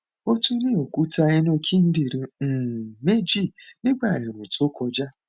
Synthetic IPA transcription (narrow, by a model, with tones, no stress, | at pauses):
o˦tu˦ne˦˨o˨ku˦ta˧e˦n˦o˧kʰi˦n̩˦di˨ɾi˧˨me˦d͡ʒi˦˨nɪ˦ɡ͡ba˦˨e˨ɾu˨to˦kɔ˧d͡ʒa˦